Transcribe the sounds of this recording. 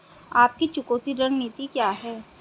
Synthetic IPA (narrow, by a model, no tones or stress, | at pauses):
aːp̚kit͡ʃʊkoːt̪iɾə̃ŋniːt̪ikjaːɦɛː